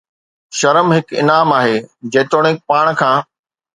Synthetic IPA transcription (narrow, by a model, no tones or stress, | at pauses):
ʃɐɾəmɦɪkɪ̰naːmaːɦeːd͡ʑɐ̃ːt̪oːɽ̃ẽpaːɽ̃kʰãː